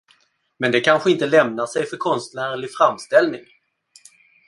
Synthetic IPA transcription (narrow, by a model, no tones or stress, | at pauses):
mɛnd̪ɛkʰanɧəɪnt̪əlɛmnaʂɛjfœɾkʰɔnst̪næːɾɭɪfɾamːst̪ɛlnɪŋ